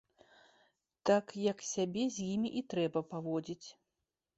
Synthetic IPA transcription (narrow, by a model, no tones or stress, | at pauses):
t̪akjɐksʲabʲɛzʲjimʲiʔit̪ɾɛbɐpavɔd͡zʲit͡sʲ